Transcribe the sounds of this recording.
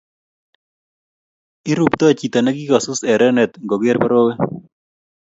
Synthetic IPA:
i˦ɾu˨pt̪ɔ˦˨t͡ʃi˨t̪a˨nɛ˦ɡi˦ka˨sʊ˦sɛ˨ɾɛ˦nɛ˨t̪ŋɡɔ˨ɡe˦ɾpɔ˦ɾo˦we˦

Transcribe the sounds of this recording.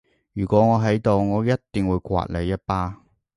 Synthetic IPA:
jyː˨˩kʷɔː˨˥ŋɔː˨˧ɦɐ˨˥jt̪o˨wŋɔː˨˧jɐ˥tt̪ːɪ˨ŋwuː˨˧jkʷwa̰ː˨t̚le˨˧jːɐ˥t̚paː˥

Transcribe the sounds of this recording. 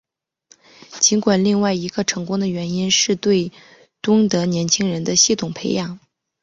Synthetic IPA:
t͡ɕi˧˥ŋkwa˨˩nli˥˧ŋwa˥˩ɪi˧˥ɡə˧ʈ͡ʂʰɤ˧˥ŋkʊ˥ŋd̪ə˨ɥɛ˧˥ni˥nʂɻ̩˥˧t̪we˥˩ɪ | t̪ʊ˥ŋt̪ɤ˧˥njɛ˧˥nt͡ɕʰi˥ŋɻə˧˥nd̪ə˧ɕi˥˩t̪ʰʊ˨˩ŋpʰe˧˥ɪjɑ˨˩˦ŋ

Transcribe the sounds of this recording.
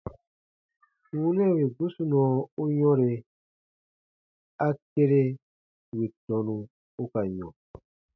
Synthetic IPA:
wũ˦nɛ̃˦˨we˨ɡu˦su˦nɔ̃˨˦u˦jɔ̃˦ɾe˧ | a˦ke˦ɾe˦ | wi˨tɔ̃˨nũ˨ | u˦ka˨jɔ̰̃˨

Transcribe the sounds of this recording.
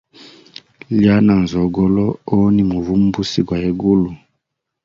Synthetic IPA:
li˦a˦na˨n˨zɔ˨ɡɔ˦lɔ˦o˦ni˨mu˨vu˦m̩˦bu˦si˦ɡwa˨e˦ɡu˦lu˨

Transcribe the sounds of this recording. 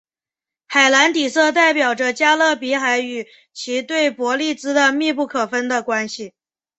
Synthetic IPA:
xa˨˩ɪla˧˥nt̪i˨˩sɤ˥˧t̪̬a˥˩ɪpjɑ˨˩ʊʈ͡ʂə˦t͡ɕja˥lɤ˥˩pi˧˥xa˧˥ɪy˨˩ | t͡ɕʰi˧˥t̪we˥˩ɪpwɔ˧˥li˥˩t͡sɹ̩˥d̪ə˧mi˥˧pu˥˩kʰɤ˨˩fə˥nd̪ə˨kwa˥nɕi˨˩

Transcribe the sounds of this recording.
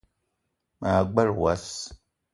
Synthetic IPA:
maː˨ɡ͡ba˦ɾwa˦s

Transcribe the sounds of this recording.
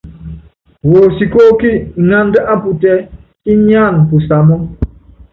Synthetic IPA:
wo˨si˨ko˦ki˦˨ŋa˦n˦də˦ʔa˦pu˨tɛ˦ | i˦ɲ˦a˦˨n˨pu˨sa˨mɔ˦

